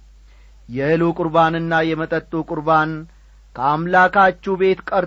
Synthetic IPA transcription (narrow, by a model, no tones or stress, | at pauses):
jɛɨlokʼʊɾbanɨnːajɛmət̪ʼət̪ʼːukʼʊɾban | kʰəamlakat͡ʃːube̞t̪kʼəɾ